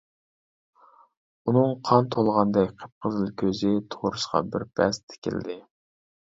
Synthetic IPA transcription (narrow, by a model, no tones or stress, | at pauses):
unɨŋqʰɑnt̪ʰolˠʁɑnd̪ɛkʲqʰə̥p̚qʰəzɨlˠkʲʰøzɪt̪ʰoɾɨʃqɑ̰bɪɾpʰɛ̰st̪ʰɪ̥kʲʰɪ̰ld̪ɪ